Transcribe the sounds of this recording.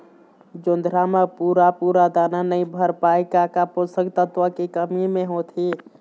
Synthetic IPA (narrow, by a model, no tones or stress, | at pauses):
d͡ʒond̪ʱɾamepuɾapuɾad̪ananəĩbʱəɾpaekakaposəɡt̪ət̪ʋəkekəmimeɦot̪ʰi